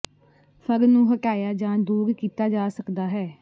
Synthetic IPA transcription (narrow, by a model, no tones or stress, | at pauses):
pʰəɾnũːɦəkaːjaːd͡ʒãːd̪uːɾkiːt̪aːd͡ʒaːsəkd̪aːɦɛː